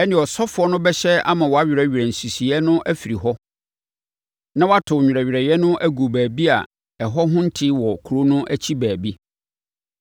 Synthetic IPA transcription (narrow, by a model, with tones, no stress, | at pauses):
ɛ˦nɪ̃˨ɔ˨sɔ˦fʊ˨ɔ˦nʊ̃˦bɛ˦ɕɛ˦a̰˦mã˨wɔ˨a˦ɥɾɛ˨ɥɛ˨n̩˨su˨si˨ɛ˦nʊ̃˦ʔæ˦fi˨ɾi˨ɦɔ˦ | nã˦wɔ˦a˦tʰʊ˨ɲᶣ˨ɾɛ˨ɥᶣɾɛ˨jɛ˦nʊ̃˦ʔæ˦ɡu˨bæː˨bi˦a̰˨ | ɛ˨ɦɔ˦ɦʊ̃˦n̩˦tʰɪ˦wɔ˨kʰu˨ɾo˦nʊ̃˦ʔæ˦t͡ɕʰi˦bæː˨bi˦